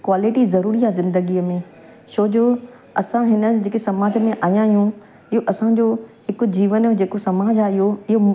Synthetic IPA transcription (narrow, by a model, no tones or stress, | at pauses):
kwaːlɪʈizɐɾuːɾiaːzɪ̃nd̪əɡiːəmẽ | ʃoːd͡ʑoː | ɐsãɦɪnə̆d͡ʑeːkesɐmaːd͡ʑəmẽʔaːjãɦɪjũ | ɪɦoʔɐsãd͡ʑoːhɪkʊ̆d͡ʑiːʋənd͡ʑeːkosɐmaːd͡ʑaɪɦoɪɦo